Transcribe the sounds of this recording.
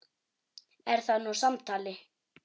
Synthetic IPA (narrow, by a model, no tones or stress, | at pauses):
ɛɾ̥θanusamt̪ʰaːlɪ